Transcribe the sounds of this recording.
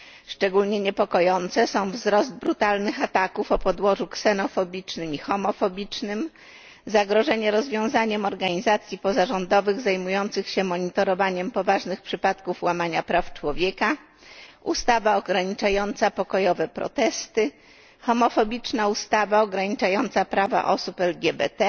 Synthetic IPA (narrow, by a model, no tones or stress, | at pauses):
ʂt͡ʂɛɡulɲɛɲɛpɔkɔjɔnt̪sɛsɔ̃w̃vzɾɔzd̪̚bɾut̪alnɘxat̪akufɔpɔd̪wɔʐuksɛnɔfɔbʲit͡ʂnɘmixɔmɔfɔbʲit͡ʂnɘm | zaɡɾɔʐɛɲɛɾɔzvʲjɔ̃w̃zaɲɛmɔɾɡaɲizat̪sʲjipɔzaʐɔnd̪ɔvɘɣzajmujɔnt̪sɘxɕɛmɔɲit̪ɔɾɔvaɲɛmpɔvaʐnɘxpʂɘpat̪kufwamaɲapɾaft͡ʂwɔvʲjɛka | ʔṵst̪avaɔɡɾaɲit͡ʂajɔnt̪sapɔkɔjɔvɛpɾɔ̰t̪ɛst̪ɘ | xɔmɔfɔbʲit͡ʂnaust̪avaɔɡɾaɲit͡ʂajɔnt̪sapɾava̰ʔɔsupɛlɡʲɛbɛ̰t̪ɛ